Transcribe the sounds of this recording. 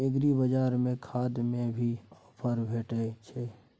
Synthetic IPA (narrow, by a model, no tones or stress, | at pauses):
eɡɾibəd͡ʒaːɾmẽkʰaːd̪mẽbʱi | pʰəɾbʱeːʈet͡ʃʰe